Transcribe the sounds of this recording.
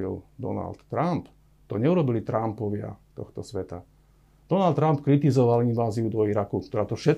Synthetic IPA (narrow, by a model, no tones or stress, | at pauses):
ḭld̪ɔ̰na̰lt̪ːɾamp | t̪ɔɲɛuɾɔbilit̪ɾampɔʋɪa̰t̪ɔxt̪ɔsʋɛt̪a | d̪̥ɔnald̪ːɾampkɾit̪izɔʋalinʋaːziud̪ɔiɾakukt̪ɔɾaːt̪ɔfʃɛ